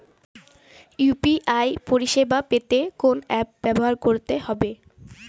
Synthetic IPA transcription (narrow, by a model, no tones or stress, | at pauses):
jupiʔajpoɾiʃebapet̪ekonɛp̚bɛboɦaɾkoɾt̪ehɔbe